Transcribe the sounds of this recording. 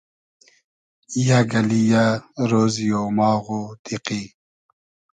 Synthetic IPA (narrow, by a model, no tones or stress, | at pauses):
jaɡɐlijaɾoːzijoːmaːɣod̪iqi